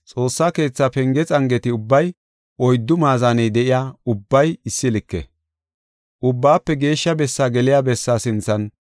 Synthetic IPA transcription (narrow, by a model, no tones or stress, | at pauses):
t͡sʼo̞ːsːaːke̞ːt͡sːaːpɛŋɡɛt͡sʼɐŋɡɛt̪ɪʊbːɐj | ɔjd̪ːʊmaːzaːnɛjd̪ɛʔɪjaːʊbːɐjɪsːɪlɪkːɛ̰ | ʔʊbːaːpːɛɡe̞ːʃːɐbɛsːaːɡɛlɪjaːbɛsːaːsɪnt͡sːɐn